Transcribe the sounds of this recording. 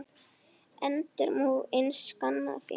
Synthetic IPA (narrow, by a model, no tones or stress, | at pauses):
ɛnt̪ɪɾmuðejnskanːa̰fɪ̰